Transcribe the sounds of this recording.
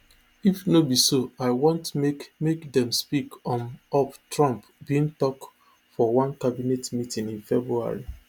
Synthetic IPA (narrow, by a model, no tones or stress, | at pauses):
ifnobisoaɪwõntmemekdɛ̃mspikɔ̃nɔptɹɔ̃mp | biĩŋtɔk | fɔwãnkabinetmitĩŋĩnfɛbɹua̰ɹi